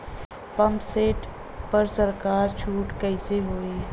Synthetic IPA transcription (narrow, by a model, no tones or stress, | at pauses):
pɐmseːʈ | pɐɾsəɾkaːɾt͡ʃʰuːʈkɛɪseɦoːiː